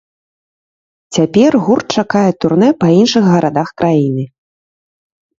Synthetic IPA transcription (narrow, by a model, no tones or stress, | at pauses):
t͡sʲapʲɛrɣurt̪̚t͡ʂakajɛt̪urnɛpɐinʂɨxɣɐɾʔad̪axkɾʔajinɨ